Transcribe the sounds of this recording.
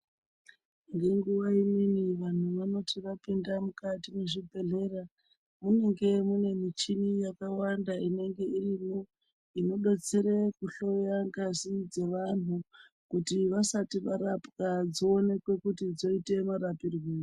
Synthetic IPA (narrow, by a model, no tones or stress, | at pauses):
ŋɡe̞ŋɡuʋaiminiʋan̤uʋano̞tiʋapindamukatime̞ʐibʱe̞ɮe̞ra | muneŋɡe̞mune̞mit͡ʃinijakawandaine̞ŋɡe̞irimo | ino̞ɗot͡seɾekuɬo̞jaŋɡazid͡ze̞ʋan̤u | kutiʋasatiʋaɾapkad͡zoːne̞kwe̞kutid͡zo̞ite̞maɾapirwiːo